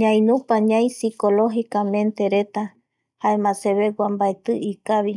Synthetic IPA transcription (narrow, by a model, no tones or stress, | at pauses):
ɲãj̃nũpaɲãj̃sikoloɦikamẽ̞nt̪e̞ɾe̞t̪a | haemãse̞βeɡwambaet̪ɨʔikaβi